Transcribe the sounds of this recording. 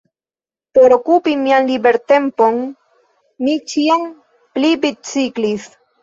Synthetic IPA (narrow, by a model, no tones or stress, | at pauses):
poɾo̞kupimianlibe̞ɾt̪e̞mpo̞n | mit͡ʃiam | plibit͡siklis